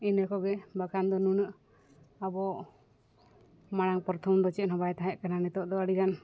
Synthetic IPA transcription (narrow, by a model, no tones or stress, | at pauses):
inəkɔɡɛbakʰand̪ɔnunəʔ | abɔ | maɽ̃aŋpɔɾt̪ʰɔmd̪ɔt͡ʃɛʔ̪nɔbajt̪aɦɛʔkananɛt̪ɔʔd̪ɔəɽiɡan